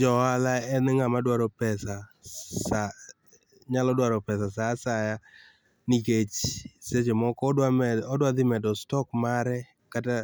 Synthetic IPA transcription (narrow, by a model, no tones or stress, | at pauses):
d͡ʒɔalaɛnŋamadwaɾɔpɛsasa | ɲalɔdwaɾɔpɛs̬asasaja | niket͡ʃset͡ʃemɔkɔɔdwad̪ɪmɛdɔstɔkmaɾɛ | kata